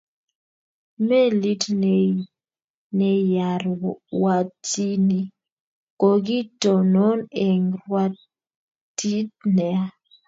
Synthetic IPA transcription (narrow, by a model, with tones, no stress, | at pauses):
me˦li˦tnɛ˨ | nɛ˨ja˨ɾwa˨ti˦ni˦ | ko˨ɡi˦tɔ˨nɔ˦ne˨ŋwa˦ | ti˦tnɛ˨a˦